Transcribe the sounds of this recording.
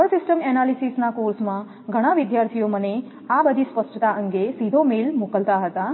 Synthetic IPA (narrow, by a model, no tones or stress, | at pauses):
əsisʈəmenalisisnakoɾsmã | ɡʱəɽ̃aʋid̪jaɾt̪ʰijoməne | abəd̪ʱispəsʈət̪aʔəŋɡesid̪ʱomelmokəlt̪aɦət̪a